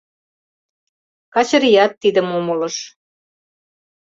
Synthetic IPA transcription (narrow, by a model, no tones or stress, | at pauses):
kɑt͡ɕə̆ɾijɑt̪ːid̪ə̆momələ̆ʃ